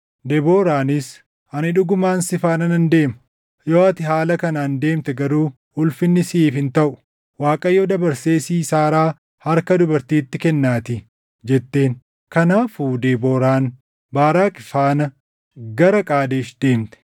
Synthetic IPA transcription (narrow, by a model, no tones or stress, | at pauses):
d̪ɛbo̞ːɾaːnɪs | ɐnɪᶑʊɡʊmaːnsɪfaːnɐnɐnd̪e̞ːmɐ̥ | joːɐt̪ɪɦaːlɐkɐnɐːnd̪e̞ːmt̪ɛɡɐɾuː | ʊlfɪnːɪsiːfhɪnt̪ɐʔʊ̥ | waːkʼɐjːoːd̪ɐbɐɾse̞ːsiːsaːɾaː | hɐɾkɐd̪ʊbɐɾt̪iːt̪ːɪkɛnːaːt̪ɪ | d͡ʒɛt̪ːe̞ːn | kɐnaːfuːd̪eːbo̞ːɾaːn | baːɾaːkʼɪfaːnɐ | ɡɐɾɐkʼaːd̪eːʃd̪̥e̞ːmt̪ɛ̥